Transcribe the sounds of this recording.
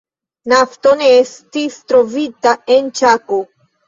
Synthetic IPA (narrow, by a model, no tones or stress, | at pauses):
nafto̞ne̞estistɾo̞vitae̞nt͡ʃako